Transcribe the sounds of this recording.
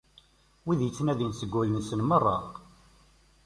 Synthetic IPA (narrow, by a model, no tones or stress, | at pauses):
wiðjət͡sːnæðinsəɡʷːæðənsənmərˤːɑ